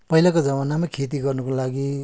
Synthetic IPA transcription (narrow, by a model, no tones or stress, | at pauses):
pʌɦilakod͡zʌbanamakʰet̪̬iɡʌrnukolaɡi